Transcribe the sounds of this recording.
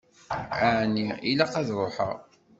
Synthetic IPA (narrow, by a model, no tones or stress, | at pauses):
aʕniilaqɑðɾˤoħə̰ʁ